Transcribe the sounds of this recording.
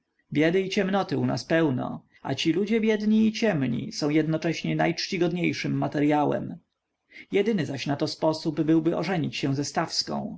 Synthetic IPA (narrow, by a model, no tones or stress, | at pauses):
bʲjɛd̪ɘit͡ɕɛmnɔt̪ɘuna̰spɛwnɔ̰ | a̰t͡ɕilud͡ʑɛbʲjɛd̪ɲiːt͡ɕɛmɲḭsɔ̃w̃jɛd̪nɔt͡ʂɛɕɲɛna̰jt͡ʂt͡ɕiɡɔd̪ɲejʂɘmːat̪ɛɾjawɛ̰m | jɛd̪ɘnɘzaɕnat̪ɔspɔsubbɘwbɘʔɔʐɛɲit͡ɕɕɛw̃zɛst̪afskɔ̰̃w̃